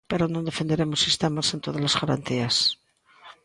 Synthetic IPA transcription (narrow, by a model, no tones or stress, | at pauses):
peɾonõnd̪e̞fe̞nd̪eɾemosist̪emasent̪oðazlazɣaɾa̰nt̪ias